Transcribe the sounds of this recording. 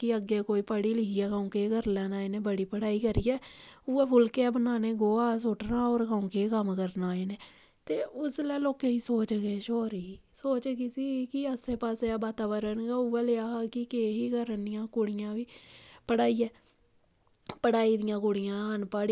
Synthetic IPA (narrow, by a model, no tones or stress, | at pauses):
kɪəɡːeːkoːiːpəɽiːlɪkiːɛːkaːũːkeːɡəɾlɛːnaːenẽːbəɽiːpəɽaːiːkəɾiːɛːuːɛːpʰʊlkeɛːbənaːneːɡoːaːs̬oːʈnaːoːɾkaːũːkekəmkəɾnaːeːneː | t̪eːʊslɛːloːkeiːsoːt͡ʃɡeːʃoːɾiː | soːt͡ʃɡɪsikɪəseːpaːseaːbaːt̪aːbəɾənɡaːuːɛːleːaːaːkɪkeːɦiːkəɾənd̪ɪjãːkʊɽɪjãːʋiːpəɽaːiːɛː | pəɽaːiːd̪ɪjãːkʊɽɪjãːɦənpaːɽi